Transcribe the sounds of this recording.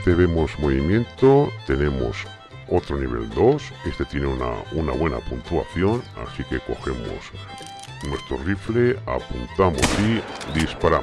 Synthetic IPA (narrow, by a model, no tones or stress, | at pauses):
t̪eβe̞mo̞smoβimjẽ̞nt̪ot̪e̞ne̞mo̰s | ot̪ɾoniβ̞e̞̰ld̪o̞sest̪e̞t̪je̞neuna̰unaβwe̞na̰punt̪ua̰θjo̞na̰sike̞ko̞xe̞mo̰s | nwe̞st̪ɾo̞riflea̰punt̪amo̞̰sid̪ispaɾa